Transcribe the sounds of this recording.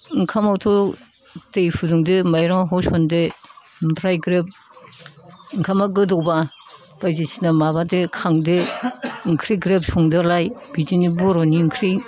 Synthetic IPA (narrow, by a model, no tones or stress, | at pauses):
ŋkʰamawtʰɔ | tejpʰuduŋdɯmajɾaŋɦɔsɔnde | mpʰɾajɡɾep̚ | ŋkʰamaɡɯdɔwba | b̥ajzisi̥namabadekʰaŋdɯ | ŋkʰɾiɡɾep̚sɔŋdɯlajbid͡ʒinibɔɾɔniŋkʰɾi